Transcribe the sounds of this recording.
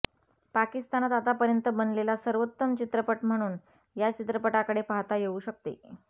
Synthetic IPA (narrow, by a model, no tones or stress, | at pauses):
pakist̪anat̪at̪apəɾjənt̪əbənlelasəɾʋot̪ːəmt͡ɕit̪ɾəpəʈm̤əɽ̃uːn | jat͡ɕit̪ɾəpəʈakəɽepaɦt̪ajeuːɕək̚t̪ḛ